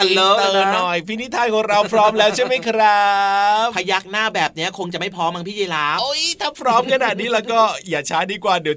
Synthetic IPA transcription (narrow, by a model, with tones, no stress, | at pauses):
a˧lo˧˩t̪ɤː˧nɔ˨˩jpʰiː˦˥˩ni˦˥t̪ʰːaː˧jkʰɔː˨˩˦ŋɾa˧wpʰɾɔː˦˥mlɛː˦˥wt͡ɕʰa˥˩jma˦˥˩jkʰɾa˦˥ppʰa˧ja˦˥˩k̚naː˥˩bɛː˨˩p̚ni˦˥ɐkʰo˧ŋt͡ɕa˨˩ma˥˩pʰɔː˦˥mːa˧ŋpʰiː˥˩eː˧laː˦˥ʔo˦˥jt̪ʰaː˥˩pʰɾɔː˦˥mkʰa˧naː˨˩t̪̚niː˦˥lɛː˧˥wkɔː˥˩jaː˨˩t͡ɕʰaː˦˥diː˧kwaː˨˩di˨˦w